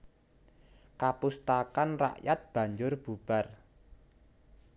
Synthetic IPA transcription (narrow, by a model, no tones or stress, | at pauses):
kapust̪akanra̰ʔjat̪̚b̥ä̤ɲd͡ʒʊrb̥ub̥a̤r